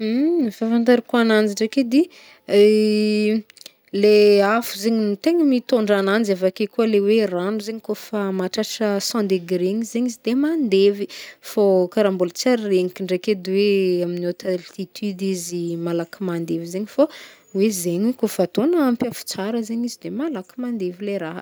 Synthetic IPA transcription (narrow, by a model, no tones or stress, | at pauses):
fafãnt̪̬aɾikuanand͡ʒiɳɖ͡ʐeked̪i | leafuzeɲinit̪eŋəmit̪oɳɖ͡ʐanand͡ʒavakekuəleweranuzeɲikofamaʈ͡ʂaʈ͡ʂəsãnd̪eɡɾeɲizeɲizid̪emand̪evifokaɾambult͡saɾreŋikʲiɳɖ͡ʐeked̪iweaminot̪alt̪it̪ʰyd̪izimalakimand̪evizeɲifa | wezeɲikofat̪onəːmpjafu̥t͡saɾəzeɲizid̪emalakimand̪evileɾaɦ